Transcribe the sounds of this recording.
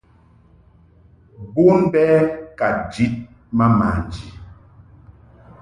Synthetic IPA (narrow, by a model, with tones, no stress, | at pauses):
bu˦nbɛ˦ka˨t̚d͡ʒi˨˦t̚ | ma˦ma˨n˨d͡ʒi˨